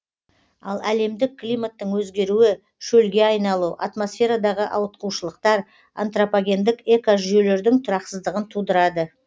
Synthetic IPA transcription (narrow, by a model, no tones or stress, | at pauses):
ɑlˠæle̞md̪ɪkʰːlʲijmat̪ːəɴwɵzɡʲe̞ɾuɪ | ʃɵlɡʲe̞ɑjnɑlˠuʔa̰t̪mo̞sfʲe̞ɾad̪ɑʁəʔɑwət̪̚quwʃəlˠəq̚t̪ɑɾ | a̰nt̪ropaɡʲe̞nd̪ɪke̞kaʒʏjele̞ɾd̪ɪŋt̪ʰʊɾɑqsəzd̪əʁənt̪ʰud̪əɾɑd̪ə